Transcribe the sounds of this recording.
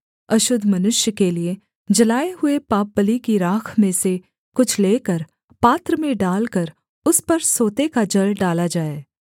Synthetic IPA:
ɐʃʊd̪ʱmɐnʊʃjəkelie | d͡ʒɐlaːeɦʊepaːp̚bəlikiɾaːkʰmẽse | kʊt͡ʃʰleːkəɾ | paːt̪ɾəmẽɖaːlkəɾ | ʊspɐɾsoːt̪ekad͡ʒɐlɖaːlad͡ʒaːeː

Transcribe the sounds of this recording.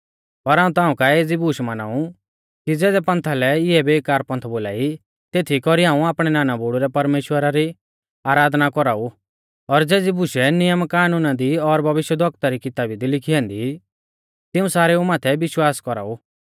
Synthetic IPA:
pɐɾɦaːũt̪aːũkaeːd͡zibʊʃmana̰ːu | kid͡zɛːd̪ɛpɐ̃nt̪ʰalɛɪɛbeːkaːɾpɐ̃nt̪ʰboːla̰ːi | t̪eːt̪ʰikɔɾiɦãːũaːpɽ̃ɛnaːnabuːɽuɾɛpɐɾmeːʃwəɾaɾi | aːɾaːd̪nakɔɾaːu | ɔɾd͡zeːd͡zibʊʃɛnɪjəmkaːnuːnad̪iɔɾbʱɐʋɪʃjəd̪ʱwɔk̚t̪aɾikɪt̪aːbid̪ilɪkʰiɛ̃ːnd̪i | t̪ɪũsaːɾɛumaːt̪ʰɛbɪʃwaːskɔɾa̰ːu

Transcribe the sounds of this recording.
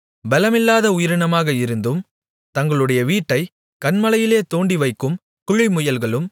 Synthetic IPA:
bɛlɐmɪlːaːðɐʊjɪɾɐɳɐmaːɣɐɪɾɯnd̪ɯm | t̪ɐŋɡɐɭɯɽɐjɐʋiːʈːɐɪ | kɐnmɐlɐjɪleːt̪oːɳɖiʋɐɪkːɯm | kʊɻɪmʊjɐlɣɐɭɯm

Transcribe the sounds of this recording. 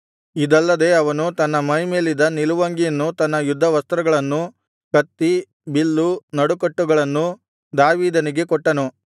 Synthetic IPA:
id̪ɐlːɐd̪e̞ɐʋɐnut̪ɐnːɐmɐjme̞ːlid̪ɐniluʋɐŋɡijɐnːut̪ɐnːɐjud̪ʱːɐʋɐst̪ɾɐɡɐɭɐnːu | kɐt̪ːi | bilːunɐɽukɐʈːuɡɐɭɐnːu | d̪aːʋiːd̪ɐniɡe̞kɔʈːɐnu

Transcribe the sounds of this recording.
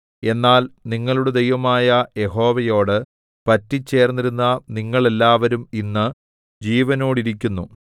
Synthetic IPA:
e̞nːaːlniŋːɐɭuɽed̪ejʋɐmaːjɐje̞ɦo̞ːʋɐjo̞ːɽɨ | pɐtːit͡ɕːe̞ːrnːiɾunːɐniŋːɐɭe̞lːaːʋɐɾuminːɨ | d͡ʑiːʋɐno̞ːɽiɾik̬ʲːunːu

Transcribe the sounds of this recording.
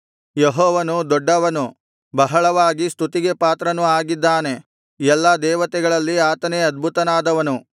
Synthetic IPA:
jeɦɔːʋɐnud̪ɔɖːɐʋɐnu | bɐɦɐɭɐʋaːɡist̪ʰut̪iɡe̞paːt̪ɾɐnuaːɡid̪ːaːne̞ | ɛlːɐd̪ɛːʋɐt̪ɛɡɐɭɐlːiaːt̪ɐneɐd̪̚bʱut̪ɐnaːd̪ɐʋɐnu

